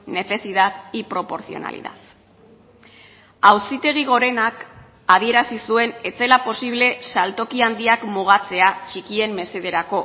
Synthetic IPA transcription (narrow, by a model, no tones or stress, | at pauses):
ne̞θe̞siðaðipɾo̞po̞ɾθio̞̰na̰lḭða̰ð | awsit̪e̞ɣ̞iɣ̞o̞ɾe̞nak | aðie̞ɾasisue̞ne̞t͡se̞lapo̞siβ̞le̞salt̪o̞kiand̪iakmuɣ̞at͡se̞at͡ʃikie̞mːe̞se̞ðe̞ɾako̞